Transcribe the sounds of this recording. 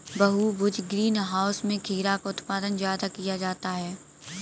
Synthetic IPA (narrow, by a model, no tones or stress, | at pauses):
bɐɦubʊd͡ʒɡɾiːnɦaːʊsmẽkʰiːɾakaʊt̪paːd̪ənzjaːd̪akijad͡ʒaːt̪aɦɛː